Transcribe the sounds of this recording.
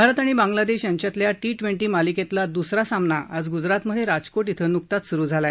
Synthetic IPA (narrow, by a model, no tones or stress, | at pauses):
bʱaɾət̪aɽ̃ibãŋɡlad̪eɕjaɲt͡ɕat̪ljaʈiʈʋeɳʈiːmaliket̪lad̪usɾasamnaʔad͡zɡud͡zɾat̪məd̪ʱːjeɾad͡zkoʈit̪ʰənuk̚t̪at̪suɾuːd͡zʱala